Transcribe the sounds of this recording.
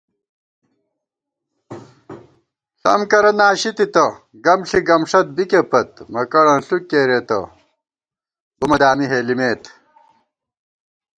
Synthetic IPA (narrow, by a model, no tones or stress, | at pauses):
ɬɐ̰mkɐɾɐnaːɕit̪it̪ɐ | ɡɐmɬiɡɐmʂɐt̪̚bikepɐt̪mɐkɐɽɐ̃nɬukːeːɾet̪ɐ̰ | bumɐd̪aːmiɦeːlimeːt̪